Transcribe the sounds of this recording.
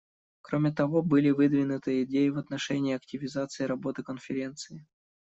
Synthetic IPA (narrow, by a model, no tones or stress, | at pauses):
kɾomʲɪt̪ɐvo̞bɨlʲɪvɨd̪vʲɪnʊt̪ɨɪdʲejɪvɐt̪nɐʂɛnʲɪːɐk̚tʲɪvʲɪzat̪sɨɪɾɐbo̞t̪ɨkənfʲɪɾʲe̞nt̪sɨɪ